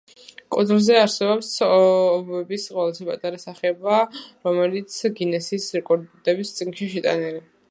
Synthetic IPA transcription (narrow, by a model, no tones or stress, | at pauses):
kʼɔd̪lzɛaɾsɛbɔpsɔːbɛbisqʼɔlˠasipʼat̪ʼaɾasaχɛbaɾɔmɛlit̪sʰɡinɛsiːsɾɛkʼɔɾd̪ɛbist̪sʼinʃiʃɛt̪ʼa̰nili